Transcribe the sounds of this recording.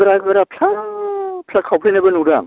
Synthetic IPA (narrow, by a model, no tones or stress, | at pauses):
ɾaɡɯɾapʰla | pʰakʰːawpʰlejnabɐnuɾaŋ